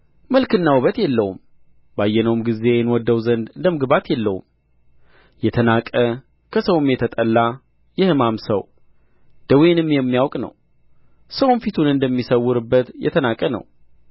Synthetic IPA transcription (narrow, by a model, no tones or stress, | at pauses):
məlkɨnːawuβət̪jɛlːəwum | bajːɛnəwumɡize̞jɛnwɔd̪ːəwzənd̪ɨnd̪əmɨɡbat̪jɛlːəhṵm | jɛt̪ʰənakʼə | kʰəsəwmjɛt̪ʰət̪ʼəlːa | jɛhɨmamsəw | d̪̥əwenɨmːjɛmːijawkʼnə̰w | səwunfit̪ʰunɨnd̪əmːisəwːʊɾɨbːət̪jɛ̰t̪ʰənakʼənə̰w